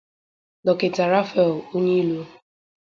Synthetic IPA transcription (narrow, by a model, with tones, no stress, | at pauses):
dɔ˨ke˨ta˨ɾa˦fɛ˨lo˦ɲe˦i˦lo˦